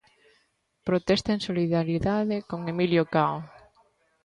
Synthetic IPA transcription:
pɾot̪ɛst̪aẽŋsoliðaɾiðaðekoŋemiljokaw

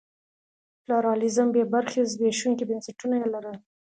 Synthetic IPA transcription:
pluɾɑlɪzəmbebaɾxezbeʃuŋkibənsaʈunajelaɾə

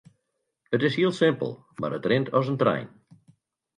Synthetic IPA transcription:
ətɪshiəlˠsɪmpə̰lˠ | ma̰ɾətrɪntʰɔsəntrɛ̰jn

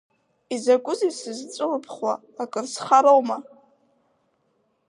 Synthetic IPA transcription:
izakʷʼʊzisɨzt͡sʼɨrɨpʰχwa̰ | akʼɨrsχaɾowma

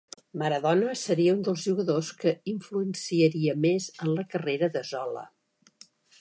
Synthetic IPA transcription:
məɾəðɔnəsəɾiəund̪əlˠzʒuɣəðoskəiɱfluənsiəɾiəmezənləkəreɾəðəzɔlə̰

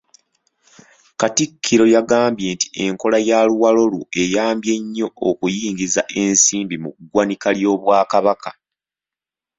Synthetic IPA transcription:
katikʰːiɾo̞jaɡaːmbje̞nti̥e̞ŋko̞lajaluwalo̞lwue̞jaːmbje̞ɲːo̞okujiːŋɡizaʔe̞nsiːmbimukuɡwanikaljo̞ːβwaːkaβakʰḁ

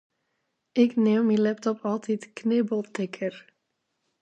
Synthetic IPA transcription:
ʔɪknemmilɛp̚tɔpɑlˠtʰitknɪbəlˠtɪkʰər

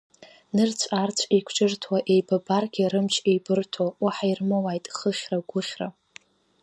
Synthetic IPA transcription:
nɨrt͡sʷʰʼart͡sʷʰʼikʷʰt͡ʃʼɪrtʰwaʔe̞jbabarɡʲiɾɨmt͡ʃʰejbɨrtʰowaħairmawajtʼχəχʲraɡʷʊχʲra

